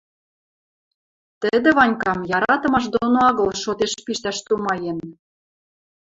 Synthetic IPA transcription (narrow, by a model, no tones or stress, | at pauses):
t̪əd̪ĕβɑnʲkɑmjɑɾɑt̪ɤ̆mɑʃ̬d̪onoɑɣɤ̆lʃot̪eʃpiʃt̪æʃt̪umɑjen